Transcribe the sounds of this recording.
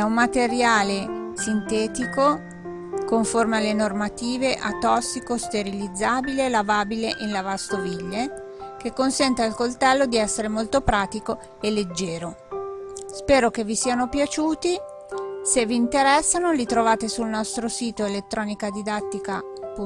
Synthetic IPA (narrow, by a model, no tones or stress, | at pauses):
ɛumːat̪eɾjaːlesint̪ɛːt̪iko | koɱformealːenormat̪iːveʔat̪ɔsːikost̪eɾilid̪zːaːbilelavaːbileʔinlavast̪ovilːe | kekːonsɛnt̪ealkolt̪ɛlːod̪iɛsːeɾemolt̪opɾaːt̪iko | elːed͡ʒːɛːɾo | spɛːɾokevːisiːanopjat͡ʃuːt̪i | sevːiːnt̪eɾɛsːanolit̪ɾovaːt̪esulnɔst̪ɾosiːt̪oelet̪ːɾɔːnikad̪id̪at̪ːika | pu